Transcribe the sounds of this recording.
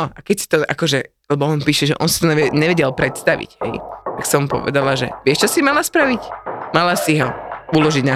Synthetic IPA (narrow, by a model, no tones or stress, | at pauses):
ɔʔakɛcsi̥t̪ɔʔakɔʒɛ | lɛbɔɔnpiːʃɛʒɛ̰ʔɔnsi̥t̪ɔɲɛɛɲɛʋɛɟɛlpɾɛt̪st̪aʋḭɟɦɛ̰jt̪aksɔmpɔ̰ʋɛ̰d̪alaʒɛ̰ʋɪɛʃt͡ʃɔsimalaspɾaʋicmalasiɦɔulɔʒiɟna